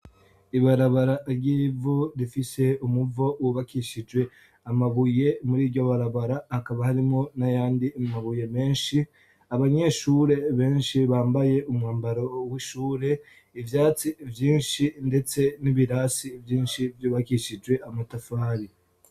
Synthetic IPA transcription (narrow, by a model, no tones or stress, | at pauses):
iβaɾaβaɾaɾɟiːvuɾifise̞umuvo̞wuβakiʃid͡ʒwe̞ | amaβuje̞muɾiːɾɟoβaɾaβaɾahakaβahaɾimonajaːndimaβuje̞me̞ːnʃi | aβaɲe̞ʃuːɾe̞βe̞ːnʃiβaːmbaje̞ʔumwaːmbaɾo̞wiʃuːɾe̞ | ivjaːt͡sivjiːnʃinde̞t͡se̞niβiɾaːsivjiːnʃivjoːβakiʃid͡ʒwe̞ʔamatafaːɾi